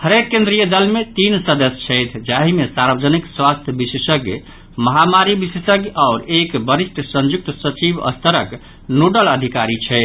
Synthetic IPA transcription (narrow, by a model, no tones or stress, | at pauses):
həɾekkːẽnd̪ɾijəd̪əlmet̪insəd̪əst͡ʃʰɛjt̪ʰd͡ʒaɦimesaɾbəd͡ʒənikswast̪ʰjəbisesəɡ | məɦamaɾibisesəɡaʊɾekbəɾisʈʰsə̃nd͡ʒuk̚t̪sət͡ʃibə̰st̪əɾək | nuɖələd̪ʱikaɾit͡ʃʰɛɪt̪ʰ